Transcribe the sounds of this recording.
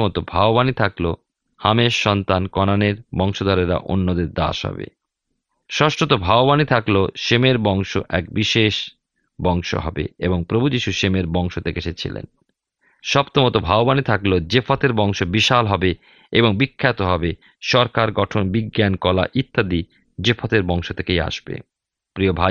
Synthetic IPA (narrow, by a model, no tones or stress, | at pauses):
ɔt̪obʱaobanit̪ʰaklo | hameʃːɔnt̪ankɔnaneɾbɔŋʃod̪ʱɔɾeɾa̰ʔo̰nːod̪eɾd̪a̰ʃɦɔ̰bḛ | ʃɔʃʈot̪̬obʱabobanit̪ʰakloʃemeɾbɔŋʃoʔɛk̚biʃeʃ | bɔŋʃo̰ɦɔ̰bḛeboŋpɾobʱud͡ʑiʃuʃemeɾbɔŋʃod̪ekeʃet͡ɕʰḭlḛn | ʃɔpt̪omot̪obʱabobanit̪ʰaklod͡ʑefʰot̪eɾbɔŋʃobiʃalɦɔbe | eboŋbikʰːat̪oɦɔbe | ʃɔɾkaɾɡɔʈʰonbiɡːankɔla̰ʔit̪ʰːad̪i | d͡ʑefʰot̪eɾbɔŋʃot̪ʰekeja̰ʃbḛ | pɾiobʱa